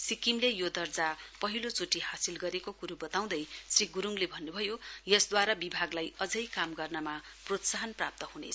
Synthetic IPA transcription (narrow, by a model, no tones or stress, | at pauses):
sikimlejod̪ʌrd͡zapʌɦilot͡suʈihasilɡʌɾekokuɾubʌt̪aw̃d̪ʌjsriɡuɾuŋlebʱʌnːubʱʌjojʌsd̪waɾabibʱaɡlajʌd͡zʌjkamɡʌrnʌmaprot̪saɦʌnprap̚t̪ʌhunḛ